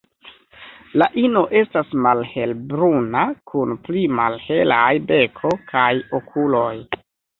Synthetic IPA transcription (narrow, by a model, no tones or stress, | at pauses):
laʔino̞ʔe̞stasmalhe̞lbɾunakʰunplimalhe̞lajbe̞kʰo̞kʰajokʰulo̞j